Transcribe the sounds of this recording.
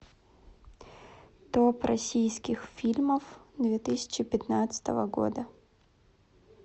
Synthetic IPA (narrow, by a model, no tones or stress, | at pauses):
d̪̥opɾʔɐsʲijskʲɪxfʲilʲməfd̪vʲet̪ɨsʲɪ̥t͡ɕɪpʲɪt̪nat̪sə̥t̪əvəɡo̰d̪ə